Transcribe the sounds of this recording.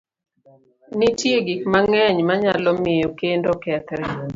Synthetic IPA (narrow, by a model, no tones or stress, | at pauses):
nitjeɡikmaŋɛɲmaɲalɔmɪjokendokɛt̪ɾɛ